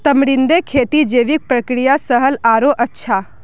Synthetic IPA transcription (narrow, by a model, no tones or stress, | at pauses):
t̪əmɽɪnd̪ekʰeːt̪id͡ʒeːʋik̚pɾəkɾijasəɦəlaːɾoʔɐtːʃʰa